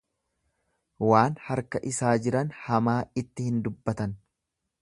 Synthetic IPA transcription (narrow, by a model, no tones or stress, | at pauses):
waːnhɐɾkɐʔɪsaːd͡ʒɪɾɐnhɐmaːɪt̪ːɪhɪnd̪ʊbːɐt̪ɐn